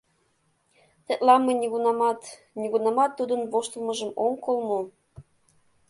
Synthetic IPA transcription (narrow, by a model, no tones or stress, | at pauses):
t̪et̪lɑmenʲiɣunɑmɑt̪ | nʲiɣunɑmɑt̪ːud̪ə̆nβoʃt̪ɤ̆lmɤ̆ʒə̆moŋkolmo